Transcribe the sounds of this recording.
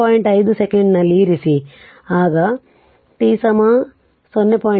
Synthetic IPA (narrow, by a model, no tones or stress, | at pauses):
aːjiɳʈɐjd̪usekeɳɖnɐlːiɾisi | aːɡɐ | ʈ̪iːsɐma | sonːepaː